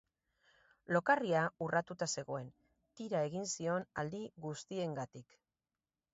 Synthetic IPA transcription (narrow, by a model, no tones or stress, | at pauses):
lo̞kariaurat̪ut̪ase̞ɣ̞o̞e̞n | t̪iɾae̞ɣinsio̞nald̪iɣust̪ie̞ŋɡat̪ik